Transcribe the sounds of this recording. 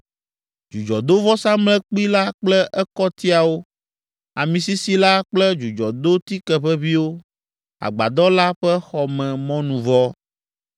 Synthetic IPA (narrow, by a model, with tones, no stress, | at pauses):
d͡ʒu˨d͡ʒɔ˨d̪o˦vɔ˦sã˦mlɛ˦k͡pi˦la˦k͡plɛ˦ʔɛ˦kɔ˦t̪i˦a˨wo˦ | a˨mĩ˨si˦si˦la˦k͡plɛ˦d͡ʒu˨d͡ʒɔ˨d̪o˦t̪i˦kɛ˨ɸɛ˦vi˦wo˦ | a̰˨ɡ͡ba̰˨d̪ɔ˦la˦ɸɛ˦xɔ˨mɛ̃˨mɔ̃˦nũ˨vɔ˦